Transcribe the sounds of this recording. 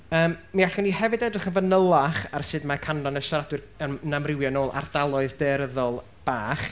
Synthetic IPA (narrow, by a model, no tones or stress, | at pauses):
əːmːiaɬɔnihɛvɨdɛdrɨχənvənəlˠaχarsɨdmakʰandɔnəʃɔɾadwɨr | ənamrɪwjɔnoːlˠʔa̰rd̥alˠɔɨðdeɾəðɔlˠ | b̥aːχ